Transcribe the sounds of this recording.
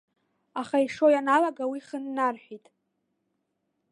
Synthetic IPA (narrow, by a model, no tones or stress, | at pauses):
aχaiʂo̞janalaɡawiχənːarħʷᶣitʼ